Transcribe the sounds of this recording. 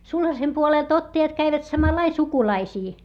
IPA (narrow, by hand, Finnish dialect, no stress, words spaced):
sulhɑsem puoleˑlt otːɑjɑt kæiʋæt sɑmɑlɑi sukulɑisiː